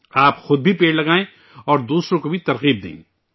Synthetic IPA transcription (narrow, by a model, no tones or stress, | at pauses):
aːpxʊd̪̚bʱipeːɽlɐɡaːẽ | ɔːɾd̪uːsɾõkobʱit̪ɐɾɣiːb̚d̪ḛ̃ː